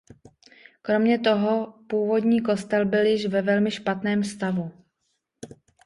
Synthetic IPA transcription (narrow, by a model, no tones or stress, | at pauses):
kɾo̞mɲɛt̪o̞ɦo̞puːvo̞d̪ɲiːko̞st̪ɛlbɪljɪʃvɛvɛlmɪʃpat̪nɛːmst̪avu